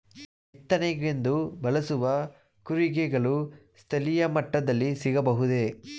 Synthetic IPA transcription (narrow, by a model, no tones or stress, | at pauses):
ɛt̪ːɐnɛɡend̪ubɐlɐsuʋɐ | kuɾiɡɛɡɐɭust̪ʰɐlijɐmɐʈːɐd̪ɐlːisiɡɐbɐɦud̪e